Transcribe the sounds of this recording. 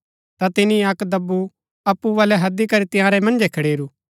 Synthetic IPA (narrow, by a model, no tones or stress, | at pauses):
t̪at̪ɪnĩɐkd̪ɐbːu | ɐpːuʋaːlɛɦɐd̪ikɐɾit̪ɪjãːɾɛmɐ̃nd͡ʒɛkʰɐɽeːɾu